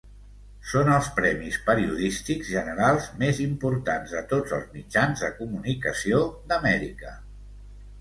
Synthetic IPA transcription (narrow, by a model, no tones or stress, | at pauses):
sonəlˠspɾɛmispəɾiuðist̪iɡzʒənəɾalˠzmezimpuɾt̪anzðət̪od͡zə̰lˠzmid͡ʒanzðəkumunikəsiod̪əmɛɾḭkə